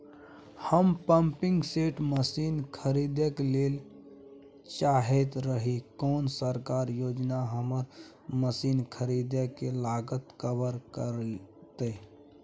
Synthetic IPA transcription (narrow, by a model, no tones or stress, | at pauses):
həmpəmpɪ̃ŋɡseʈməsiːnkʰəɾid̪əkleːl | t͡ʃaːɦet̪ɾəɦikɔːnsəɾkaːɾjoːd͡ʒnaɦəməɾ | məsiːnkʰəɾid̪əkelaɡət̪kəbəɾkəɾt̪e